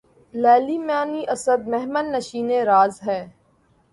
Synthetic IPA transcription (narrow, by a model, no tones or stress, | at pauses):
lɛːliːmjaːniʔɐsəd̪̚meɦmənːɐʃiːneɾaːzɦɛː